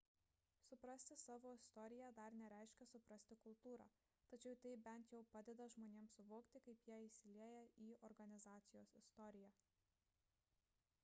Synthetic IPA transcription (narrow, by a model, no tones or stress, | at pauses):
sʊpɾɐsʲt̪ʲɪsɑːʋoːɪst̪ɔɾʲɪjæd̪ɐɾnʲɛɾʲæˑɪʃʲkʲɛsʊpɾɐsʲt̪ʲɪkʊlˠt̪uːɾɑ̰ː | t̪ɐt͡ʃʲɛʊt̪ɐɪbʲɛnʲt̪jɛʊpɑːd̪ʲɛd̪ɐʒmoːnʲeːmsʊʋoːkt̪ʲɪkɐɪpjiɛɪsʲɪlʲiɛjɛʔiːɔɾɡɐnʲɪzɑːt̪sʲɪjoːsɪst̪ɔɾʲɪjæː